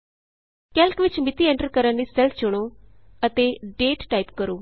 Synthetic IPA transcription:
kɛlkʋɪt͡ʃmɪt̪iːɛ̃ɳʈəɾkəɾəndiːsɛlfʰt͡ʃʊɽ̃oː | ət̪eːɖeːʈːaːipkəɾoː

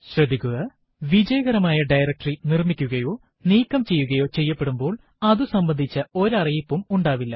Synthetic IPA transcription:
ɕrɐd̪ʱikʲːuɣɐ | ʋid͡ʑɐjɐɣɐɾɐmaːjɐɖɐjɾɐk̚ʈrinirmikʲːuɣɐjo̞ː | niːkːɐmt͡ɕe̞jːuɣɐjo̞ːt͡ɕe̞jːɐpːeɽumbo̞ːɭ | ɐðusɐmbɐnd̪ʱit͡ɕːɐo̞ɾɐrijipːumuɳɖaːʋilːɐ

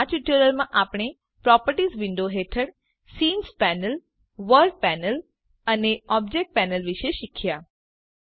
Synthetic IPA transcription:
at͡ʃiʈjuɾəlmãʔapəɽ̃e | pɾɔpəɾʈisʋɪɳɖoɦet̪ʰəɽ | siːnspænəl | ʋəɾɖ̚pɛnəl | əneɔb̚d͡ʒek̚ʈ̚pɛnəlʋiʃeʃikʰja

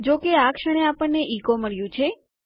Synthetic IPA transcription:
d͡ʒokeakʂəɽ̃eapəɳːeʔikoməɭjũt͡ʃʰe

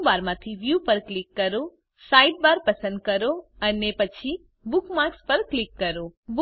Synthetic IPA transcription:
baɾmãt̪ʰiʋjupəɾklikːəɾo | saiʈ̚baɾpəsənd̪̚kəɾoənepət͡ʃʰi | bukmaɾkspəɾklikːəɾob

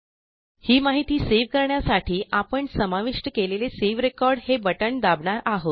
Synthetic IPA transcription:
hiːmaɦit̪iːseʋkəɾɳjasaʈʰiːʔapəɳsəmaʋiʂʈəkeleleseʋɾekɔɾɽhebəʈəɳd̪abɳaɾaɦot̪

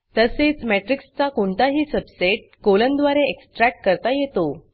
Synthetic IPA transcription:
t̪əset͡smeʈɾikst͡sakoɳt̪aɦiːsəbseʈ̚kolənd̪ʋaɾeeksʈɾɛk̚ʈ̚kəɾt̪ajet̪o

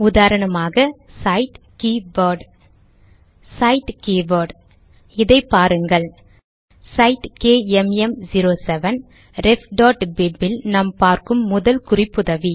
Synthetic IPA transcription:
ʊðaːɾɐɳɐmaːɣɐsɐɪʈ | kiːʋɐɖ | sɐɪʈkiːʋɐɾɖ | ɪðɐɪpːaːɾɯŋɡɐɭ | sɐɪʈkeːɛmɛmd͡ʒiɾoːsɛʋɐn | ɾɛfɖaːʈbɪbːɪlnɐmpaːɾkɯmːʊðɐlkʊrɪpːʊðɐʋi

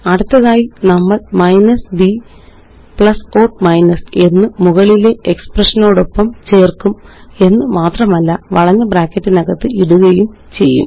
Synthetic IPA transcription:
ɐɽut̪ːɐðaːjinɐmːɐɭmɐjnɐsbi | pɭɐso̞ːrmɐjnɐse̞nːɨmuɣɐɭile̞eksprɐʂɐno̞ːɽo̞pːɐmt͡ɕe̞ːrkume̞nːɨmaːt̪rɐmɐlːɐʋɐɭɐɲːɐbraːkːɐtːinɐɣɐt̪ːɨiɽuɣɐjum | t͡ɕe̞jːṵm

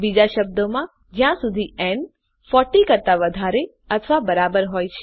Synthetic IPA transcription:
bid͡ʒaʃəb̚d̪omã | d͡ʒjãsud̪ʱien | fɔʈikəɾt̪aʋəd̪ʱaɾe | ət̪ʰʋabəɾabəɾɦojt͡ʃʰ

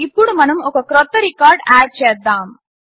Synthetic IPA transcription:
ɪpːɔɽɯmɐnɯmɔkːɐkɾɔt̪ːɐɾikːaːɾɖaːɾ̚t͡ʃeːd̪aːm

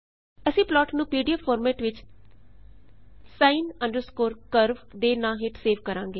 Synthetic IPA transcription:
əsĩːplɔːʈnũːpiːɖijaːpʰɔːɾmɛːʈʋɪt͡ʃ | saːinəɳɖəɾskoːɾkəɾʋd̪eːnãːɦɪʈseːʋkəɾãːŋɡeː

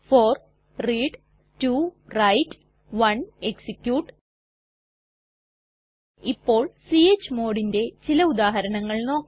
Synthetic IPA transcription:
foːr | riːɖ | turɐjtː | ʋɐɳeksikʲjuːʈ | ipːo̞ːɭsiet͡ɕːmoːɽinde̞t͡ɕilɐud̪aːɦɐɾɐɳɐŋːɐɭno̞ːk

